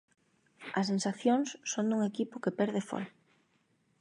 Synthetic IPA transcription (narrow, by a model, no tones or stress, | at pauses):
ɐsensaθjoŋsːond̪uŋekipʊkepɛɾðɪfɔ̰l